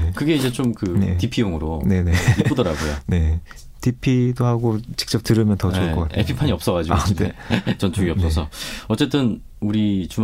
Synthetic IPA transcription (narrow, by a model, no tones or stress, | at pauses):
kɯɡe̞id͡ʑe̞t͡ɕomkɯnḛtipʰijoŋɯɾone̞neipudʌɾaɡojo̰ne̞ | tʰipʰidohaɡot͡ɕi̥k̚t͡ɕ͈ʌp̚tɯɾɯmjʌntʌt͡ɕoɭkʰʌk͈atḛpʰipʰaɲiʌps͈ʌɣad͡ʑiɡeet͡ɕʌnt͡ɕ͈ʰoɡiʌs͈ʌsʰʌ̰ʌt͡ɕ͈e̞t͈ɯn | uɾit͡ɕum